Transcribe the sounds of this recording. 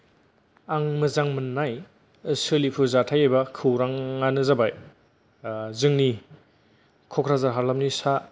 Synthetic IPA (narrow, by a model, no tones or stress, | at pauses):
aŋmɯzaŋmɯnːaj | ɯsɯlipʰɯzatʰajajbɐkʰɯwɾaŋːanɯzabaj | zɯŋni | kʰɔkʰɾazaɾɦaɾlamnisa